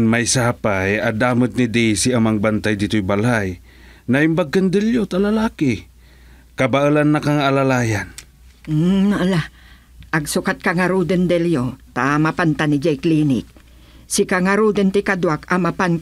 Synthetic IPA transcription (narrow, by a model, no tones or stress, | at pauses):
nmajsaːpajad̪aːmət̪̚nɪd̪ɛjsiamaŋbant̪ajd̪it̪ʊjbalaj | naʔɪmbaɡənd̪ɛljot̪alalaːkɪ | kabaʔəlanːakaŋalalaːjan̩ | naʔla | ʔaɡsʊkat̪̚kaŋaɾud̪ənd̪ɛljot̪amapant̪anɪd͡ʒajklinɪ̰k̚ | sɪkaŋaɾud̪ənt̪ɪkad̪wakamapan